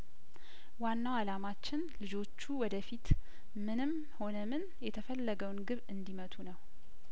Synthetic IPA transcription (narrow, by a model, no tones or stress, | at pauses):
wanːawalamat͡ʃːɪnlɨd͡ʒo̞t͡ʃːuwɔd̪əfit̪ | mɨnɨm | ho̞nəmɨn | jɛt̪ʰəfəlːəɡəwnɡɨβɨnd̪imət̪ʰunəw